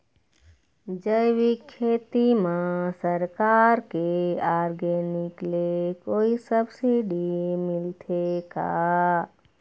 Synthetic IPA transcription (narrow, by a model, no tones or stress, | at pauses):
d͡ʒəjʋikʰːet̪imãsəɾkaɾkeaɾɡeniklekoisəbsiɖimilt̪ʰeka̰